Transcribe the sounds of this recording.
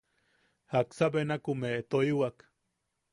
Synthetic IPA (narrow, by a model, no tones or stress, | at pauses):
haksabenakumet̪oiwak